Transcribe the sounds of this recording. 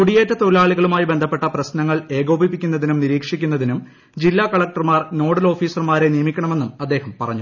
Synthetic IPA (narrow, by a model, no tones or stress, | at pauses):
kuɽijeːtːɐt̪oɾlaːɭiɣɐɭumaːjibe̞nd̪ʱɐpːe̞ʈːɐprɐsnɐŋːɐɭe̞ːɣo̞ːbipːikʲːunːɐðinumniɾiːkʂikʲːunːɐðinum | d͡ʑilːaːkɐɭɐk̚ʈɐrmaːrno̞ːɽɐlo̞ːfiːsɐrmaːɾe̞nijɐmikʲːɐɳɐme̞nːumɐd̪ːeːhɐmpɐrɐ̰ɲːu